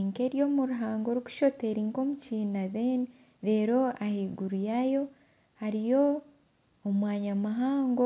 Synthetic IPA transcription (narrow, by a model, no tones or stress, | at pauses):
ŋke̞ːɾjo̞ːmuɾuɦaːŋɡo̞ɾuku̥ʃo̞teɾiːŋko̞muciːnaðene | ɾe̞ːɾo̞ahiːɡuɾujajo̞ | haɾijo̞ː | mwaːɲamaɦaːŋɡo